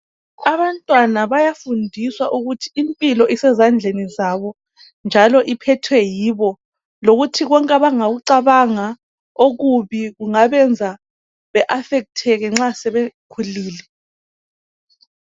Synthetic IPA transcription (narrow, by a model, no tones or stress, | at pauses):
aβantʼwanaβajafundʱiswaʔuɣutʰi̥ːmpʼilɔʔisɛzand͡ɮʱenizaβɔ | nd͡ʒʱalɔʔipʰɛtʰwɛjiβɔ | loɣutʰiɣɔŋkʼaβaŋaɣuǀaβaŋa | oɣuβiɣuŋaβɛnd͡zʱa | βɛʔafɛk̬̚tʰɛɣɛŋ͡ǁasɛβekʰuliːlɛ